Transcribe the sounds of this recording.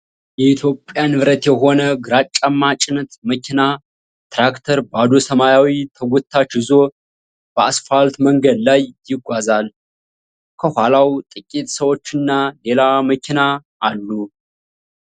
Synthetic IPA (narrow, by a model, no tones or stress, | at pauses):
jɛit̪ʰjo̞pʼːjanɨβɾət̪jɛɦo̞nəɡɨɾat͡ʃʼːamːat͡ʃʼɪnt̪məkʰina | t̪ɾakt̪ʰəɾbad̪o̞səmajawit̪ʰəɡʷɔt̪ʰːat͡ʃhɨzo̞ | b̥əasfalt̪məŋɡəd̪lajjɪɡʷazal | kʰəhʷalawt̪ʼɨkʼːit̪ʼsəwo̞t͡ʃːɨnːale̞laməkʰinaː | lːu